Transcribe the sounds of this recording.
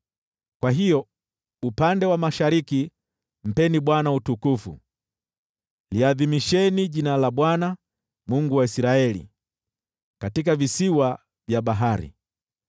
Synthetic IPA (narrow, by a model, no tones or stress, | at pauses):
kwaɦijɔ | upandɛwamaʃaɾiki | m̩pɛniɓwanautukufṵ | liaðimiʃɛniʄinalaɓwana | muŋɡuwaisiɾaɛlḭ | katik̬avisiwa | vjaɓaɦaɾḭ